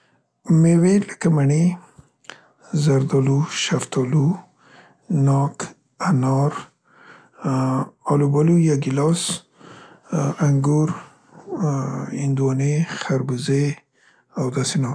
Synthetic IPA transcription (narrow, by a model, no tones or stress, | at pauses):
meweləkamaɳi | zaɾd̪ɔluʃaft̪ɑlu | nɑk | anɑɾ | alubalujaɡilɑs | aŋɡuɾ | ɪnd̪uwɑnexaɾbuze | awd̪asenɑ